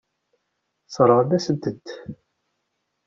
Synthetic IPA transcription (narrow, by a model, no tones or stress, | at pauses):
sˤɾˤəʁnæsənt̪ːəd̪